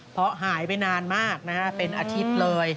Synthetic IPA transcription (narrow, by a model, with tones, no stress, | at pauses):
pʰɾɔ˦˥ɦaː˩˦jpa˧jnaː˧nmaː˥˩k̚na˦˥kʰa˦˥pe˧nʔaː˧t͡ɕʰi˦˥p̚lɤː˧j